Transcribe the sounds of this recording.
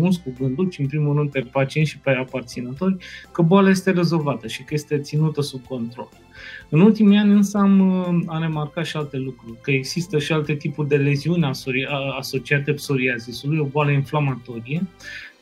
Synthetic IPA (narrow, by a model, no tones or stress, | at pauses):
mulskuvɨnd̪ulʃiɨnpɾimulrɨnd̪̚pe̞pat͡ʃieʃipeapart̪sinət̪o̞rʲkəboalaje̞s̬t̪e̞ɾe̞zo̞lvat̪əʃikəje̞st̪e̞t̪sinut̪əsub̚ko̞nt̪ɾo̞̰l | ɨnult̪imianʲɨnsəamare̞markat̪ʃialt̪e̞lukɾurʲkəeɡz̥ist̪əʃialt̪e̞t̪ipurʲd̪e̞le̞ziunʲaoiaso̞t͡ʃiat̪epso̞ɾiazisulujo̞boaləinflamat̪o̞ɾije